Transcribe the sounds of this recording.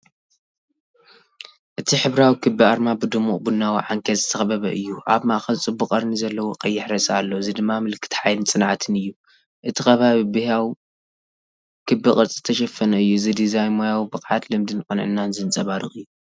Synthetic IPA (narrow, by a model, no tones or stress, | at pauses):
ʔɨt̪ʰiħɨβɾawikʰɨbiaɾmabɨd̪ɨmːuʔʼbunːawiʕaŋkʰɐt̪zɨt̪ʰɐxbɐβɐʔɨjːuʔaβmaʔxɐlt͡sʼɨbːuqʼɐɾnizɐlːɐwokʼɐjːɪħɾɐsʼalːozɨd̪ɨmːamɨlkʰːɨ̥t̪ħajlɨnt͡sʼɨnʕat̪ʰɨnɨjːu | ʔɨt̪ʰixɐβaβibɨhaw | kʰɨbɨkʼɨɾt͡sʼizɨt̪ʰɐʃɐfɐnɐɨjːuzɨd̪izajnmojawibɨkʼʕat̪lɨmd̪ɨnkʼɐnʕɨ̰nːanzɨnt͡sʼɐβaɾɨχʼɨjːu